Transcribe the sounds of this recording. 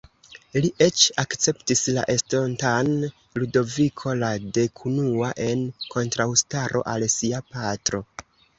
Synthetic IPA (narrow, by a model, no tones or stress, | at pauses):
liʔe̞t͡ʃakt͡se̞ptisla̰ʔe̞stontan | ludo̞vikʰo̞lade̞kʰunuaʔe̞nkʰo̞ntɾawstaɾʔo̞̰ʔalsiapatɾo̞